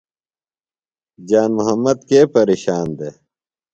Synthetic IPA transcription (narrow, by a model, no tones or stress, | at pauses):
d͡ʑaːnmuɦɐmːɐd̪keːpɐɾeːɕaːnd̪e